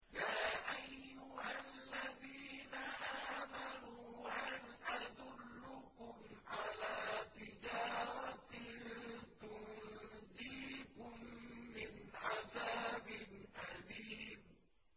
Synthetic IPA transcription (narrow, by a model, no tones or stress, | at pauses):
jaːʔajːʊhalːaðiːnaʔaːmanuːʔanʔad̪ʊlːʊkʊmʕalaːt̪ɪd͡ʒaːɾˤɑ | t̪ʊnd̪iːkʊmːɪnʕaðaːbɪnʔaliːm